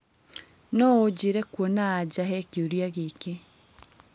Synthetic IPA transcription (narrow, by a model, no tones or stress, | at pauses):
nɔod͡ʑeɾɛkwɔnaːd͡ʑaɦɛkeoɾiaɣeke